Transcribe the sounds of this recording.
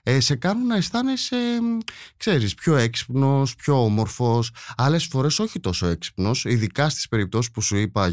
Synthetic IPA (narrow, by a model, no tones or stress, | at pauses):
ese̞kɐnunːɐesθɐnesekse̞ɾispço̞e̞ksi̥pno̞spço̞omo̞ɾfo̞sɐle̞sfo̞ɾe̞so̞çit̪o̞soe̞ksi̥pno̞siðikɐst̪i̥spe̞ɾip̚t̪o̞si̥spusuipɐ